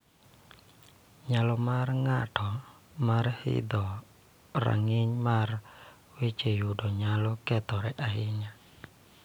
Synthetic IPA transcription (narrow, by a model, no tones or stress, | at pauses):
ɲalɔmarŋatʰɔ | marhḭd̪ɔ | ra̰ŋɪɲmar | wit͡ʃejudɔɲalɔkɛt̪ɔɾɛʔaɦɪɲa